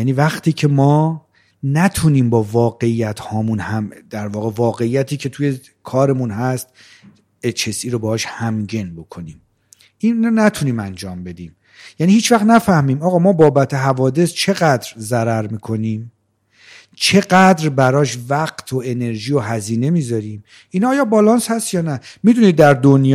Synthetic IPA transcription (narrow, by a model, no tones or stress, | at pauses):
jæniːvæχt̪ʰiːcʰe̞mɒː | næt̪ʰuniːmbɒːvɒːɡe̞ijæt̪ʰhɒːmunhæmd̪̥æɾvɒːɣe̞vɒːɣe̞ijːæt̪ʰiːcʰe̞t̪ʰuje̞ | kʰɒːɾe̞munɦæst̪ | et͡ʃʰesiːɾobɛːhɒːʃhæmɟe̞nbo̞kʰo̞niːm | ʔinæt̪ʰuniːmænd͡ʒɒːmbe̞d̪iːm | jæniːhiːt͡ʃvæχt̪næfæhmiːmɒːɣɒːmɒːbɒːbæt̪ʰe̞ɦævɒːd̪e̞st͡ʃʰe̞ɣæd̪ɾzæɾæɾmiːkʰo̞niːm | t͡ʃʰe̞ɢæd̪ɾbæɾɒːʃvæɢt̪ʰoe̞ne̞ɾʒiːjoɦæziːne̞miːzɒɾiːm | ʔinːjɒːbɒlɒːnshæst̪jɒːnæmiːd̪unid̪̚ːæɾd̪onj